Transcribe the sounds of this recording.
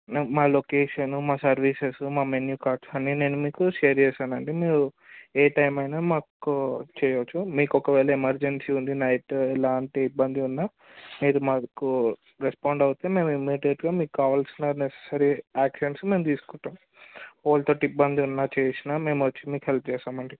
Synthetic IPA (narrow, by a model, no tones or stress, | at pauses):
nemaːlokeːʂɐnumaːsɐɾʋiːsesumaːmenjukaːɾʈsɐnːine̞ːnumiːkuʃeːɾd͡ʒeːsaːnɐɳʈemiːɾu | eːʈɐjmɐjnaːmaːkut͡ʃɛːjɐʋɐt͡ʃːumiːkɔkɐʋɛːlɐemɐɾd͡ʒensiːund̪inɐjʈlaːɳʈeibːɐnd̪iunːaː | miːɾumaːku | ɾespaːɳɖɐwut̪eme̞ːmimiʈeʈɡaːmiːkukaːʋaːlsinɐnese̥saːɾiaːkʂɐnsme̞ːmt̪iːsu̥kunʈ̪ːaːm | oːlt̪oʈːibːɐnd̪iunːaːt͡ʃɛːsiname̞ːmʋɐt͡ʃːimiːkuɦelp̚t͡ʃɛːsaːmɐɳɖi